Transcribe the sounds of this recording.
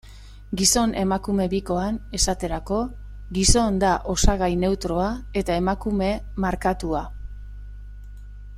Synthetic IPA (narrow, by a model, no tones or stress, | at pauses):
ɡiso̞ne̞makume̞βiko̞ane̞sat̪e̞ɾako̞ | ɣiso̞nd̪aʔo̞saɣajne̞wt̪ɾo̞ae̞t̪ae̞makume̞ | maɾkat̪ua